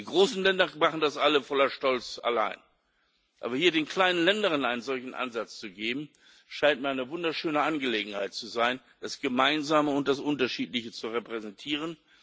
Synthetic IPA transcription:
d̥iːɡʁoːsn̩lɛndɐmaχn̩dasʔaləfɔlɐʃtɔlt͡sa̰la̰ɪn | ʔaːbɐhiːɐdeːnkl̥aɪnənlɛndəʁ̞ənaɪnənzɔlçn̩ʔa̰nzat͡st͡suɡeːbm̩ | ʃaɪnt̚miːɐaɪnəvʊndɐʃøːnəʔanɡəleːɡŋ̩haɪt̚t͡suzaɪn | d̥asɡ̥əmaɪnzaːməʊnt̚d̥asʔʊntɐʃiːtlɪçət͡suʁɛpʁ̥ɛzɛntʰiːʁ̞ən

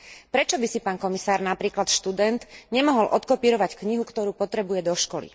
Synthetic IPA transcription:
pɾɛt͡ʃɔbisipaːnkɔmisaːɾnapɾiːklat̪ʃt̪ud̪ɛnt̪ɲɛmɔɦɔlʔɔt̪kɔpiːɾɔʋackɲiɦukt̪ɔɾuːpɔt̪ɾɛbujɛd̪ɔʃkɔlḭ

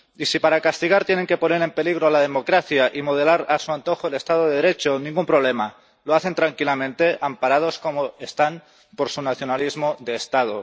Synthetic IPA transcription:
isipaɾakast̪iɣ̞aɾt̪je̞ne̞ŋke̞po̞ne̞ɾe̞mpe̞liɣ̞ɾoalað̞e̞mo̞kɾaθjaʔimo̞ð̞e̞laɾasuant̪o̞xoele̞st̪að̞oðeðeɾe̞t͡ʃonĩŋɡumpɾoβle̞ma | loaθe̞nt̪ɾaŋkilamẽ̞nt̪e̞ʔampaɾað̞o̞sko̞moe̞st̪an | po̞ɾsunaθjonalizmoðe̞ːst̪að̞o

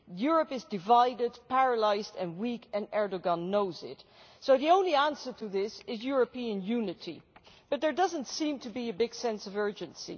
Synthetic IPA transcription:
jʊɹɨpɨzdɨvaɪdɨd̚pʰæɹəlaɪzdɨ̃nwikɨ̃nɛɹdoɡɑ̃nːoʊzɪ̰t | soʊðiõʊ̃nliæ̃nsə˞tʰɨðɪsɪzjʊɹɨpiɨ̃njʉnɨɾḭb̥ʌt̪̚ðə˞dʌzə̃ntsĩmtʰɨbiɨbɪɡ̥sɛ̃nsʌvɜ˞d͡ʒɨ̃nsḭ

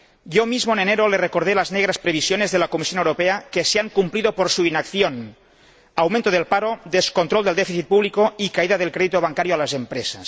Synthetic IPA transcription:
jomizmoeneneɾolerekoɾðelazneɣɾaspɾeβ̞isjonezðelakomisjonewɾopeakeseaŋkumpliðopoɾsuinakθjon | awmẽnt̪oð̞elpaɾoðeskont̪ɾolˠd̪eld̪efiθit̪̚puβlikoikaiðaðelkɾeðit̪oβ̞aŋkaɾjoalazempɾesas

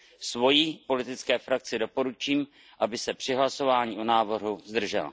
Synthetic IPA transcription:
svo̞jipo̞lɪt̪ɪt͡skɛːfɾak̚t͡sɪdo̞po̞ɾut͡ʃiːm | ʔabɪsɛpr̝̥ɪɦlaso̞vaːɲiːʔonaːvr̩ɦuzd̪r̩ʒɛ̰l

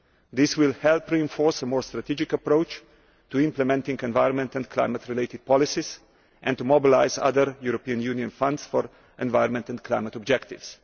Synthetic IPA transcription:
d̪ɪswɪlˠhɛlˠpɾiɛ̃ɱfɔɹsəmɔːɹst̪ɾat̪id͡ʒɪkəpɾoʊt͡ʃ | tuɪ̃mplɛmɛ̃nt̪ɪ̃ŋɡɛ̃nvaɪɾɔ̃nmɛ̃ntɛ̃nkʰla̰ɪmət̪ɾɪleɪtɪd̥̪̚pʰɔlɪsiz | ʔɛ̃nt̪umɔbɪlaɪzʌ̰ðəɾjuɾɔpiə̃njuniə̃nfʌ̃ndsfɔɹ | ʔɛ̃nvaɪɾnmɛ̃ntɛ̃nkʰlaɪmət̪ɔbd͡ʒɛkt̪ɪvs

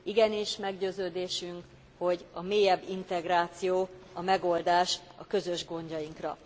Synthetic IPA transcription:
iɡɛniʃmɛɡɟøːzøːd̪eːʃyŋk | ho̞ɟɒmeːjɛbːint̪ɛɡraːt̪sijoːɒmɛɡo̞ld̪aːʃɒkø̞zø̞ʒɡo̞ɲɟɒjiŋkrɒ̰

